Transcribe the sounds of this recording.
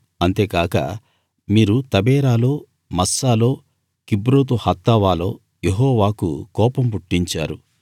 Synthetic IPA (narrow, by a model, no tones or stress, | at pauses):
ɐnt̪e̞ːkaːkɐ̰ | miːɾut̪ɐbɛːɾaːlo̞ː | mɐsːaːlo̞ː | kibɾoːt̪̬uhɐt̪ːaːʋaːlo̞̰ː | jeɦɔːʋaːkṵkɔːpɐmpuʈːiɲt͡ʃaːɾu